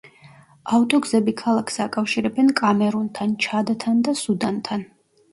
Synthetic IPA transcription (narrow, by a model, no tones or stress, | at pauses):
aft̪ʼɔɡzɛbikʰalˠakʰsakʼafʃiɾɛbɛnkʼamɛɾunt̪ʰant͡ʃʰad̪t̪ʰand̪asud̪ant̪ʰan